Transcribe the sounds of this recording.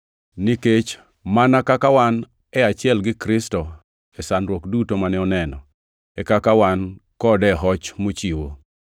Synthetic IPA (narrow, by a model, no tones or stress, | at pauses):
niket͡ʃ | manakakawan | ɛat͡ʃɪɛlɡɪkɾɪstɔ | ɛsanɾwokdutomanɛɔnɛnɔ | ɛkakawankɔdɛɦɔt͡ʃmot͡ʃiwo̰